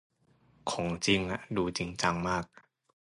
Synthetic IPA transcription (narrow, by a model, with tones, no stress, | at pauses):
kʰo˨˩˦ŋt͡ɕi˧ŋʔa˨˧˩duː˧t͡ɕi˧ŋt͡ɕa˧ŋmaː˥˩k̚